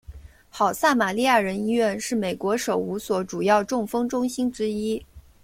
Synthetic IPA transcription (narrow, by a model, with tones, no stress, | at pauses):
xɑ˨˩ʊsa˥˩ma˨˩li˥˧ja˥˩ɻə˧˥ni˥ɥɛ˥˧nʂɻ̩˥˩me˨˩ɪkwɔ˧˥ʂo˨˩ʊu˧˥swɔ˧˥ʈ͡ʂu˨˩jɑ˥˧ʊʈ͡ʂʊ˥˩ŋfɤ˥ŋʈ͡ʂʊ˥ŋɕi˥nʈ͡ʂɻ̩˥i˥